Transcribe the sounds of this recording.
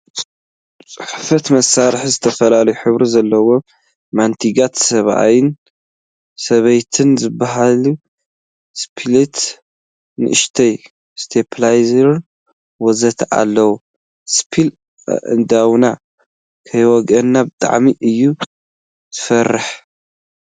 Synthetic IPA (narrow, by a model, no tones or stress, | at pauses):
t͡sʼɨħfɐt̪mɐsːaɾħzɨt̪ʰɐfɐlalɐjuħɨβɾizɐlːɐwo̞ | mant̪ʰiɡat̪sɐβa̰jɪn | sɐβɐjt̪ʰɨnzɨbːaɦalu | spʰilit̪ | nɨ̰ʔɨʃt̪ʰɐj | st̪ʰepʰlajzɐɾɨn | wɔzɐt̪ʰʔa̰lːɐwu | spʰil | ʔɨ̰nd̪awna | kʰɐjwɔɡɐnːabɨt̪ʼa̰ʕmiʔɨjːu | z̥ɨfɐrːɨħ